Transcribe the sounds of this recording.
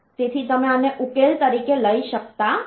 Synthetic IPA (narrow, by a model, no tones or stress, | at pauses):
set̪ʰit̪əmẽaneʔʊkeːlt̪əɾiːkeləiʃək̚t̪a